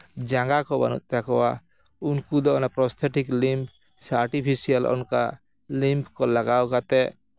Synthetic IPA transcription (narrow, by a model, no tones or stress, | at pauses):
d͡ʒãŋɡakɔba̰nṵt̪̚ˀt̪jakɔwa | unkud̪ɔɔnapɾɔst̪ʰeʈiklimpʰ | saɾʈipʰisijalɔ̰nka̰ | limpʰkɔlaɡawkat̪ɛʔ